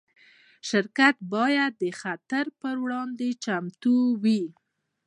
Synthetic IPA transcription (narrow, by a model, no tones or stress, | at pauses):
ʃɪɾkat̪̚bɑjad̪ːəxat̪aɾpəɾwɽɑnd̪et͡ʃamt̪uwi